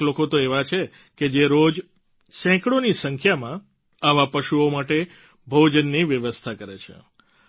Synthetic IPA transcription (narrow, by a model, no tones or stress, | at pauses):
lokot̪oeʋat͡ʃʰe | ked͡ʒeɾod͡ʒ | sɛ̃kɽonisəŋkʰjamã | aʋapəʃuomaʈe | bʱod͡ʒənːiʋjəʋəst̪ʰakəɾet͡ʃʰḛ